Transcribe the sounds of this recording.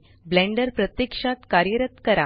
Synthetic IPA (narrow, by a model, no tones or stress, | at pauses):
blɛ̃ɳɖəɾpɾət̪jəkʂat̪kaɾjəɾət̪kəɾa